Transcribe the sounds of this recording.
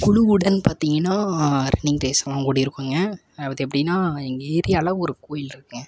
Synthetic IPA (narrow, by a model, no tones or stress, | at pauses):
kʊɭʊʋɯɽɐnpaːɾt̪iːŋɡɐnːaːɾɛ̰nːɪŋɾeːsɐmãːkuːɽɐɪɾɯkːŋɡɐ | ɐpɐðɯɛp̬ːɐɽɪnːaːɛŋɡɐeːɾɪjɐlɐʋɔɾɯkoːjɪlɪɾɯkːɯŋɡɐ